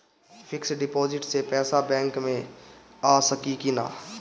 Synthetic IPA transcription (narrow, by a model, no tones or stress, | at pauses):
pʰɪksɖɪpɔːd͡ʒɪʈsepɛːsabɛ̃ːŋkmẽaːsəkikina̰ː